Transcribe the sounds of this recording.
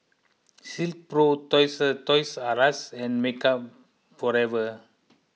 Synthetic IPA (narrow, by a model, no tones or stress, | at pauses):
silt̪̚pɾot̪ɔjsət̪ɔjsaɾasɛ̃nmekap | fɔɾɛvə